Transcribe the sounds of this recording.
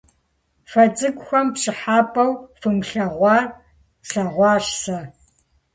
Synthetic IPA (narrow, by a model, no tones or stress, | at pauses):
fɐd͡zʼɨkʷʼxʷɐmpɕɨħaːpʼɐwfɨmɬɐʁʷɑːr | ɬɐʁʷɑːʂsɐ